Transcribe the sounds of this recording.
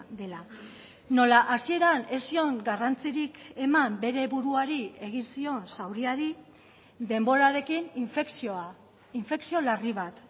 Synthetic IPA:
d̪e̞la | no̞laʔasie̞ɾane̞sio̞ŋɡarant͡siɾike̞mambe̞ɾe̞βuɾuaɾie̞ɣ̞insio̞nsawɾiaɾi | d̪e̞mbo̞ɾaɾe̞kinifeksoa | iɱfe̞ksio̞lariβ̞at̪

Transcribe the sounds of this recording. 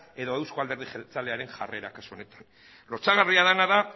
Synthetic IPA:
e̞ðo̞ewskoald̪e̞ɾðixelt͡sale̞aɾe̞ŋʝa̰re̞ɾakasuo̞ne̞t̪ḁn | lo̞t͡saɣ̞ariað̞anaða

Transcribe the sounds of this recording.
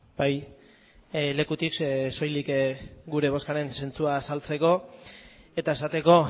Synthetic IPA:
baj | le̞kut̪ikso̞jlikɡuɾe̞β̞o̞skaɾense̞nt͡suasalt͡se̞ko̞ | e̞t̪ae̞sat̪e̞ko̞

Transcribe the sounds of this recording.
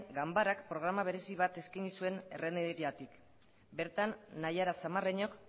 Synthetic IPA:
ɡambaɾakpɾo̞ɣ̞ɾamaβ̞e̞ɾe̞siβ̞at̪e̞skajɲisue̞nereneɾiat̪ik | be̞ɾt̪anːajaɾasamareɲo̞k

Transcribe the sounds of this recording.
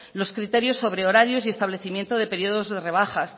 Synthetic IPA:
lo̞skɾit̪e̞ɾjo̞sːo̞βɾe̞oɾaɾjo̞sie̞st̪aβle̞θimjent̪oðe̞pe̞ɾio̞ðo̞zðe̞re̞β̞axas

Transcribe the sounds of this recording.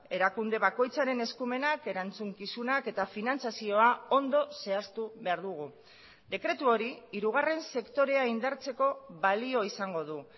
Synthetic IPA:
e̞ɾakund̪e̞βako̞jt͡saɾe̞ne̞skume̞nake̞ɾant͡suŋkisunake̞t̪afinant͡sasio̞ao̞nd̪o̞se̞ast̪uβe̞aɾðuɣ̞u | d̪e̞kɾe̞t̪uo̞ɾiiɾuɣ̞are̞nse̞kt̪o̞ɾe̞aind̪aɾt͡se̞ko̞βalio̞isaŋɡo̞ðu

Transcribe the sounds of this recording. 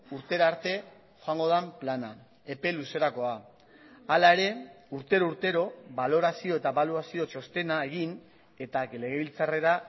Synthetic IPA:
uɾt̪e̞ɾaaɾt̪e̞ | xoaŋɡo̞ð̞amplana | e̞pe̞luse̞ɾako̞a | alae̞ɾe̞ | uɾt̪e̞ɾouɾt̪e̞ɾo̞βalo̞ɾasio̞e̞t̪aβaluasio̞t͡ʃo̞st̪e̞nae̞ɣ̞in | e̞t̪ale̞ɣe̞βilt͡sare̞ɾa

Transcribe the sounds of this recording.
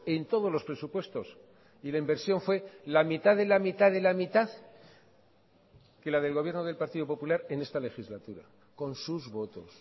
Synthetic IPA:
e̞nt̪o̞ð̞o̞zlo̞spɾe̞supwe̞st̪o̞s | ilaimbe̞ɾsjo̞ɱfwe̞lamit̪aðelamit̪aðe̞lamit̪að | kelaðe̞lɣo̞βje̞ɾnoðe̞lpaɾt̪iðopo̞pulaɾe̞ne̞st̪ale̞xizlat̪uɾa̰ | ko̞nsuzβo̞t̪o̞s

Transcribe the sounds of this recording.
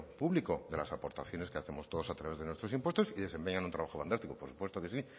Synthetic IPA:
puβlikoðelasapo̞ɾt̪aθjo̞ne̞skeaθe̞mo̞st̪oðosat̪ɾaβezðe̞nwe̞st̪ɾosimpwe̞st̪o̞siðe̞se̞mpe̞ɲãnunt̪ɾaβaxoand̪ast̪iko̥poɾsu̥pwe̞st̪okesi

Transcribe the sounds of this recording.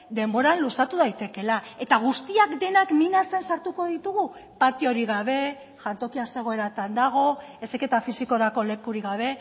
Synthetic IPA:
d̪e̞mbo̞ɾanlusat̪uðajt̪e̞ke̞lae̞t̪aɣ̞ust̪iakd̪e̞nakninase̞nsaɾt̪uko̞ðit̪uɣupat̪io̞ɾiɣaβ̞e̞ | ʝant̪o̞kiase̞ɣ̞o̞e̞ɾat̪and̪aɣ̞o̞eseke̞t̪afisiko̞ɾako̞le̞kuɾiɣaβ̞e̞

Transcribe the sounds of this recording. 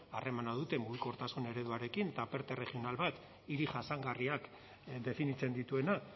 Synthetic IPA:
are̞manað̞ut̪e̞mbuiko̞ɾt̪asune̞ɾe̞ðuaɾe̞kint̪ape̞ɾt̪ere̞χio̞nalβat̪ | iɾiʝasaŋɡariak | d̪e̞finit͡se̞nd̪it̪ue̞na

